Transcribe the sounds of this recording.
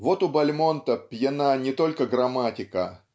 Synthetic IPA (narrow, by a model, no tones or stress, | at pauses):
vo̞t̪ʊbɐlʲmo̞nt̪əpʲjɪnanʲɪt̪o̞lʲkəɡɾɐmatʲɪkə